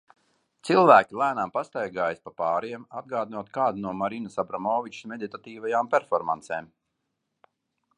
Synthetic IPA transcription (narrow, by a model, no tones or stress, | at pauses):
t̪silˠvæːkʲilˠæːnampast̪ajɡaːjspapaːɾiɛmad̪̚ɡaːd̪inuɔt̪kaːd̪inuɔmaɾinasabɾamɔːvit͡ʃsmed̪it̪at̪iːvajaːmpʲeɛɾfɔɾma̰nt̪seːm